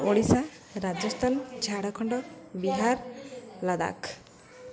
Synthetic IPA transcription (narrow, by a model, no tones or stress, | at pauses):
oɽisa | ɾad͡ʒɔst̪ʰand͡ʒʱaɽakʰɔɳɖɔbiɦaɾlad̪a̰k